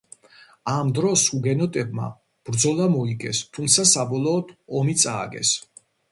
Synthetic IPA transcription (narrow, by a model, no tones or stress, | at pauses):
amd̪ɾɔsuɡɛnɔt̪ʼɛb̚ma̰ | b̥ɾd̪zɔlˠamɔikʼɛst̪ʰumt̪sʰasabɔlˠɔːd̪ɔmit̪sʼaːɡɛ̰s